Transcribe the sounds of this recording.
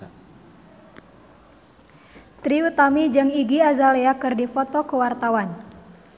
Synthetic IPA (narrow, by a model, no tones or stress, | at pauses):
t̪ɾiut̪amid͡ʒɨŋiɡiazaleakɨrdifɔt̪ɔkəwart̪awan